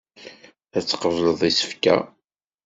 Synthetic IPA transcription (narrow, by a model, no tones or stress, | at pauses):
æt͡sːə̥qəvləðˤisə̥fkæ̰